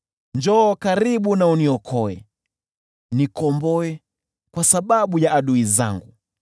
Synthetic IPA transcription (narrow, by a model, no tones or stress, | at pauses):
nd͡ʒɔːkaɾiɓunauniɔkʰɔɛ̰ | nikɔmbɔɛ | kwasaɓaɓujaʔːɗuiza̰ŋɡu